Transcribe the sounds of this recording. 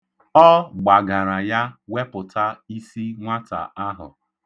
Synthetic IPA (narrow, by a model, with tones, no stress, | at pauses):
ɔ˦ɡ͡ba˨ɡa˨ɾa˨ja˦we˦pʊ˨tʰa˦i˦si˦ŋʷa˦ta̰˨a˦ɦʊ̰˨